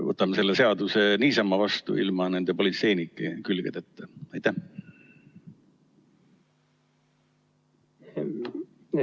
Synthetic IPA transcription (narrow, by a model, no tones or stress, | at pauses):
vɤ̰t̪ːˑɑmese̞lːese̞ɑd̪use̞niːsɑmːɑvɑst̪ṵilmɑne̞nd̪̥e̞po̞lit̪se̞jnikːˑekylɡ̥ed̪̥et̪ːeɑjt̪ːæh